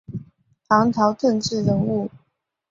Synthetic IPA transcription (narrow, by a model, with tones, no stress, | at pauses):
t̪ʰɑ˧˥ŋt̪ʰɑ˧˥ʊt̪ʰə˥˧ŋʈ͡ʂɻ̩˥˩ɻə˧˥nu˥˩